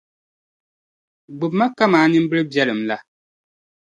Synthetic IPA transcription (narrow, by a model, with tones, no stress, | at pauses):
ɡ͡bɨ˨bma˦ka˦maː˨˦ɲɨ˦m˦bɨ˦ɾɨ˦bjɛ˦lɨ˨mla˦